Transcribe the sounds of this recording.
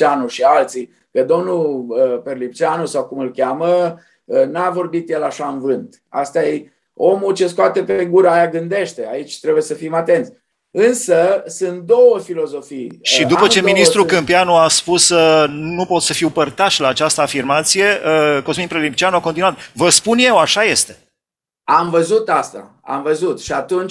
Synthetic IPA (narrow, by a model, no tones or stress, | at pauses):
anuʃialt̪si | kəd̪o̞mnuləperlip̚t͡ʃanusawkumɨlkʲamə | ənavo̞rbit̪jelaʃaɨnvɨnt̪ | a̰st̪aj | o̞mut͡ʃe̞skoat̪e̞peɡuɾəajaɡɨnd̪e̞ʃt̪e̞a̰it͡ʃʲt̪ɾebuje̞səfimat̪e̞nt̪sʲ | ɨnsəsɨnt̪̚d̪o̞wəfilo̞zo̞fijʃid̪upət͡ʃe̞minist̪ɾukɨmpianuaspusənupo̞t̪səfiwpərt̪aʃʲlaːt͡ʃast̪əafirmat̪sije̞ʔəko̞sminpɾelimpt͡ʃianuako̞nt̪inuwat̪vəspunje̞waʃaje̞st̪e̞ | amvəzut̪ast̪a̰ | a̰mvəzut̪ʃiat̪unt͡ʃ